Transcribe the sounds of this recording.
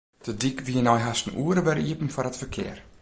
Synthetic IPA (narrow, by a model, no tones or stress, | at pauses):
d̥ədikʋiənɔjɦastən̩ʔuəɾəʋɛɾiəpn̩fɔrətfərkʰɪ̰ər